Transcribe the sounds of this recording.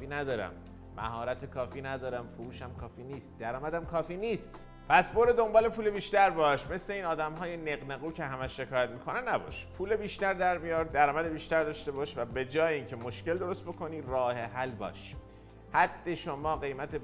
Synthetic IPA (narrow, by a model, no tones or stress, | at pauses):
iːnæd̪ɒːɾæ̰mː | æ̰hɒːɾæt̪ʰekʰɒːfiːnæd̪ɒːɾæmfoɾuːʃæmkʰɒːfiːniːst̪̚d̪æɾɒːmæd̪æmkʰɒːfiːniːst̪ | pʰæsboɾed̪o̞mbɒːle̞pʰuːle̞biːʃt̪æɾbɒːʃme̞sle̞iːnɒːd̪æmɦɒːjeneɣneɣuːcʰe̞ɦæmæʃːe̞kʰɒːjæt̪miːkʰo̞nænnæbɒ̰ʃpʰuːlebiːʃt̪æɾd̪æɾmijɒːɾd̪̚d̪æɾɒːmæd̪ebiːʃt̪æɾd̪ɒːʃt̪e̞bɒːʃvæbe̞d͡ʒɒːjeiːncʰemo̞ʃkce̞ld̪o̞ɾo̞st̪̚bo̞kʰo̞niːrɒːheɦælbɒ̰ːʃ | hæd̪ːe̞ʃomɒːɢe̞jmæt̪ʰe